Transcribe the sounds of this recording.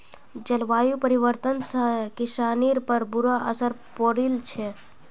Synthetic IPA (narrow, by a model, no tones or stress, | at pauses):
d͡ʒəlʋaːjupəɾiʋəɾt̪ənsəkiʃaːniɾpəɾbuɾaʔə̰səɾpoɾilt͡ʃʰɛ